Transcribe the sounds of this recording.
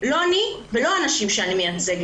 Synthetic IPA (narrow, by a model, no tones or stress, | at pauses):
lo̞anivelo̞anaʃimʃeanimejat͡se̞ɡ